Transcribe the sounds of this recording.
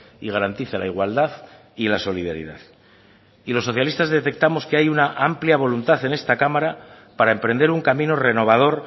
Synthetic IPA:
iɣ̞aɾant̪iθela̰iɣwald̪aθ | ilaso̞lið̞aɾḭðaθ | ilo̞sːo̞θjalist̪azðe̞t̪e̞k̚t̪amo̞skeajunaʔampljaβ̞o̞lunt̪aθe̞ne̞st̪akamaɾa | paɾae̞mpɾe̞nd̪eɾuŋkamĩnore̞no̞β̞að̞o̞ɾ

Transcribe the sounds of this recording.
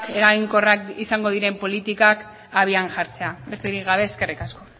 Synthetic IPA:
e̞ɾajŋko̞rakisaŋɡo̞ð̞iɾe̞mpo̞lit̪ikak | aβ̞ianʝaɾt͡se̞abe̞st̪eɾikɣaβ̞e̞ːske̞rikasko̞

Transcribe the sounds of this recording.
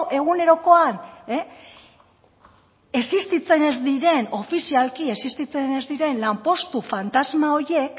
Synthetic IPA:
ʔe̞ɣ̞une̞ɾo̞ko̞ane | e̞sist̪it͡se̞ne̞zd̪iɾe̞no̞fisialkie̞sist̪it͡se̞ne̞zd̪iɾe̞nlampo̞st̪ufant̪azmao̞ɾe̞k

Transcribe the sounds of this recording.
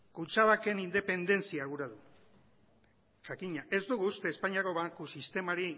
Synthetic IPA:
kut͡saβake̞nind̪e̞pe̞nd̪e̞nt͡siaɣuɾaðu | ʝakiɲaʔe̞zd̪uɣuːst̪e̞ːspaɲiako̞βaŋkusist̪e̞maɾi

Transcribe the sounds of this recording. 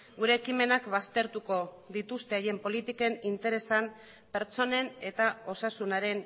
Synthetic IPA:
ɡuɾe̞ːkime̞nakβast̪e̞ɾt̪uko̞ | ðit̪ust̪e̞aje̞mpo̞lit̪ike̞nint̪e̞ɾe̞sam | pe̞ɾt͡so̞ne̞net̪ao̞sasunaɾe̞n

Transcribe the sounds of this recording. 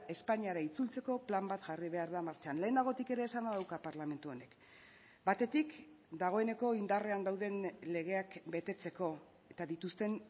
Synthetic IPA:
e̞spaɲiaɾait͡sult͡se̞ko̞plambat̪ʝariβe̞aɾðamaɾt͡ʃanle̞ːnd̪aɣ̞o̞t̪ike̞ɾe̞ːsanaðawkapaɾlame̞nt̪uo̞ne̞k | bat̪e̞t̪ik | d̪aɣ̞o̞e̞ne̞ko̞ind̪are̞and̪awðe̞nle̞ɣ̞e̞akbe̞t̪e̞t͡se̞ko̞ | e̞t̪aðit̪ust̪e̞n

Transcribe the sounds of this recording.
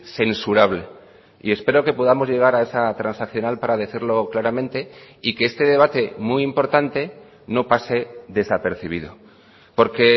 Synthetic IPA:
se̞nsuɾaβ̞le̞ | ḭe̞spe̞ɾo̞ke̞po̞ð̞amo̞zʝe̞ɣ̞aɾae̞sat̪ɾansakθjo̞nalpaɾaðe̞θiɾlo̞klaɾamẽnt̪e̞ | ike̞est̪e̞ðe̞β̞at̪e̞muimpo̞ɾt̪ant̪e̞ | no̞pase̞ðe̞sape̞ɾθiβ̞ḭðo̞̰ | po̞ɾke̞

